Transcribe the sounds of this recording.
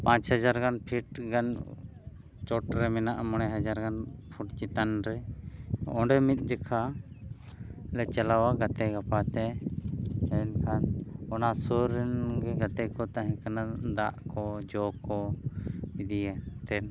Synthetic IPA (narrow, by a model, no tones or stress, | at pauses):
pãt͡ʃhad͡ʒaɾɡanpʰiʈ̚ɡan | t͡ʃɔʈɾɛmɛnaʔmɔɽ̃ɛɦad͡ʒaɾɡanpʰuʈt͡ʃit̪anɾɛ | ɔ̰̃ɖɛmit̪̚ˀd͡ʒɛkʰa | lɛt͡ʃalawaɡat̪ɛɡapat̪ɛ | ɛnkʰanɔnasɔɾːɛnɡɛɡat̪ɛkɔt̪ãɦɛ̃kanad̪aʔkɔd͡ʒɔkːɔ | bid̪iat̪ɛn